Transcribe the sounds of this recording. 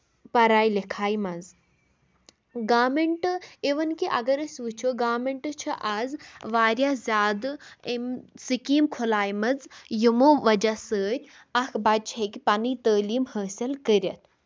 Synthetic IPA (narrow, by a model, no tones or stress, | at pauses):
pɐɾaːjlekʰaːjmɐz | ɡaːmeɳʈɨeʋɐnkiʔɐɡɐɾəsʲʋɨt͡ʃʰoɡaːmeɳʈɨt͡ʃʰɐʔazʋaːɾjazʲaːd̪ɨemsɨkiːmkʰolaːjmɐzjimoːʋɐd͡ʒasəːɾʲ | ɐkʰbat͡ʃʰɐkipanit̪əːliːmhəːsʲilkəɾʲɐt̪̚ʰ